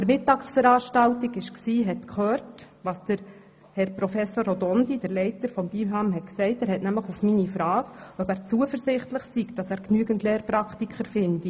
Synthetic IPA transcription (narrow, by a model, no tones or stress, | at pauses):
əɾmɪtːɑːksfəɾɑːʃtɑltiɡɪʃksiːɦɛtkʰχøːɾt | ʋɑːsd̥əɾ | hɛɾpɾɔfɛsoːɾɔdɔnd̥id̥əɾlɛɪtəɾfɔmbiɦɑmɦɛtksɛɪtæːɾhɛtnæmləχufminifɾɑːɡœpæːɾt͡suəfəɾzɪχtləχsiɡd̥ɑsæːɾknyːɡəntleːɾpɾɑktikχəɾfɪnd̥i